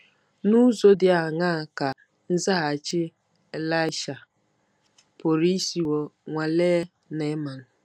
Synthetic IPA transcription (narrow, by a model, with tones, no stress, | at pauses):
nu˦zo˦dɪ˨a˨ŋa˦˨ka˨ | n̩˦za˦a˨t͡ʃɪ˦ | e˦la˦ɪ˦ʃa˨ | po˨ɾi˦si˨wo˨ŋʷa˨leː˦ | ne˨˦ma˨n̩˨